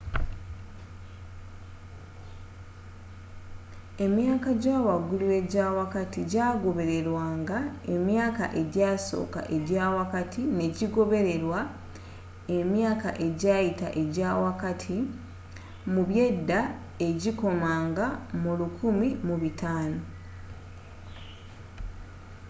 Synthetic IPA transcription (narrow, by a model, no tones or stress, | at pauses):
e̞mjaːkaɟaːwaɡuliwe̞ɟaːwakatiɟaːɡo̞βe̞ɾe̞ɾwaːŋɡae̞mjaːka̰ʔe̞ɟaːso̞̰ːka̰ʔe̞ɟaːwakatʰine̞ɟiɡo̞βe̞ɾe̞ɾwa | e̞mjaːka̰ʔe̞ɟaːjita̰ʔe̞ɟaːwakatʰi | muβje̞dːa | e̞ɟiko̞maːŋɡamulukʰumimuβitaːno̞